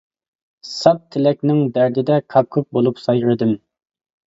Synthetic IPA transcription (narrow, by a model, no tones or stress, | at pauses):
sɑp̚t̪ʰɪlɛkʲnɪŋd̪æɾd̪ɪd̪ɛkʰɑp̚kʰup̚bolˠupsɑjɾɨd̪ɨm